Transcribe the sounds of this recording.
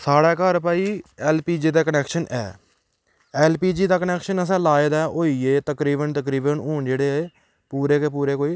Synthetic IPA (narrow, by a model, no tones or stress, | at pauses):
saːɽɛːkəɾpaːiːɛːlpiːd͡ʒiːd̪aːkənɛːkʃənʔɛ̰ː | ɛːlpiːd͡ʒiːd̪aːkənɛːkʃənəs̬ɛ̃ːlaːeːd̪aːʔoːiːeːt̪əkɾiːbənt̪əkɾiːbənoːɳd͡ʒeːɽeːeː | puːɾeːkeːpuːɾeːkoːiː